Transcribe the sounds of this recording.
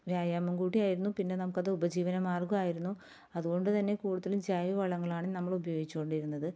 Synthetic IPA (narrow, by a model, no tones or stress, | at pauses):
ʋjaːjaːmɐmɡuːʈːijaːjiɾunːupinːe̞nɐmukːɐðɨubɐd͡ʑiːʋɐnɐmːaːrɡumaːjiɾunːu | ɐðuɣo̞ɳɖɨt̪ɐnːe̞kuːɽuðːɐlumd͡ʑaːjɐʋɐɭɐŋːɐɭaːɳɨnɐmːɐɭubɐjo̞ːɡit͡ɕːuko̞ɳɖiɾunːɐðɨ